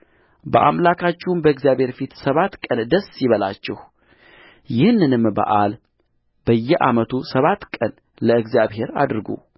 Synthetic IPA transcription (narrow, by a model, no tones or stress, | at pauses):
bə̰ʔa̰mlakʰat͡ʃːɛwunbəɨɡzjaβhe̞ɾfit̪səβat̪ːkʼənd̪əsjɪβəla̰t͡ʃːɛh | jɪhnːɨnɨmbə̰ʔal | b̥əjːɛʔa̰mət̪ʰusəβat̪kʼən | ləɨɡzjaβɦe̞ɾa̰d̪ɾɡṵ